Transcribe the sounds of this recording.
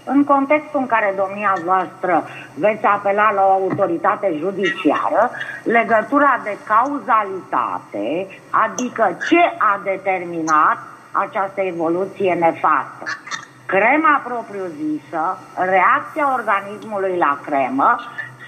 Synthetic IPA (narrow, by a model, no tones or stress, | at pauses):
ɨŋko̞nt̪e̞kst̪uɨŋkaɾe̞d̪omniavoast̪ɾə | ve̞t̪sʲape̞lalao̞aut̪o̞ɾit̪at̪e̞ʒud̪it͡ʃia̰ɾəle̞ɡət̪uɾad̪e̞kauzalit̪a̰t̪e | a̰d̪ikət͡ʃe̞ʔad̪e̞t̪e̞rminat̪̚ | a̰t͡ʃast̪əe̞vo̞lut̪sije̞ne̞fa̰st̪ə̰ | kɾe̞mapɾo̞pɾijuzisəre̞ak̚t̪siao̞rɡanismulujlakɾe̞mə